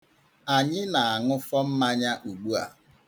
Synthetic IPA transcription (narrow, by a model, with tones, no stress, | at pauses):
a˨ɲɪ˦na˨a˨ŋʊ˦fɔ˦m̩˦ma˦ɲa˦ʔu˨ɡ͡bu˦a̰˨